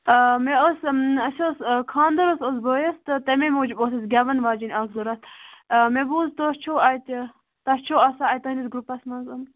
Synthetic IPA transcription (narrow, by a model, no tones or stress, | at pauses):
meosɐsʲoskʰaːnd̪ɐɾososboːjɐst̪ɨt̪ɐmemoːd͡ʒibosɐsɡʲɐʋɐnʋaːd͡ʒinʲasɡ̪uɾɐst̪mebuzt̪ost͡ʃʰoːɐjt̪ʲ | t̪ɐst͡ʃʰoːɐsaɐjt̪ɐɦnisɡɾupɐsmɐnzɐm